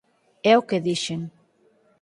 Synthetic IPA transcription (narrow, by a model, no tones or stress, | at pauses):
ɛokeðiʃeŋ